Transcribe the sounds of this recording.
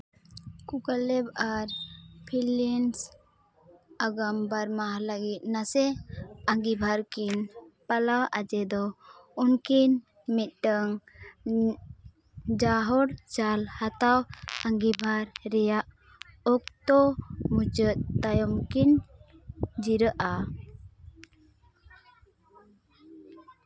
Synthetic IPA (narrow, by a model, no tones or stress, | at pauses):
kukalɛbaɾpʰilɛns | aɡambaɾmaɦlaɡit̪̚ˀnasɛaŋɡibʱaɾkinpalawʔad͡ʒɛd̪ɔunkin | mit̪̚ʈəŋ | d͡ʒaɦɔɽt͡ʃalhat̪awaŋɡibʱaɾːɛjaʔ | ɔk̚t̪ɔmut͡ʃət̪̚t̪ajɔmkin | d͡ʒiɾəʔa